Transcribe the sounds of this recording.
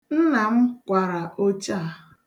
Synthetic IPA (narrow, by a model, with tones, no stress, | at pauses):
n̩˦na˨m̩˦kʷa˨ɾa˨ʔo˦t͡ʃa˦˨˦